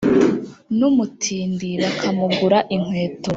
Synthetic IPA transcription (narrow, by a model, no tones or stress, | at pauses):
numutʰiːndiβakʰamuɡuɾaʔiŋ̥we̞ːto